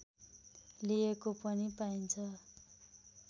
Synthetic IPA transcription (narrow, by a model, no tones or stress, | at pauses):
liekopʌnipaint͡sʰʌ